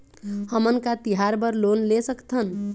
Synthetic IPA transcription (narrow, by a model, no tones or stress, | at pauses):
həmənkat̪iɦaɾbəɾlonlesəkt̪ʰən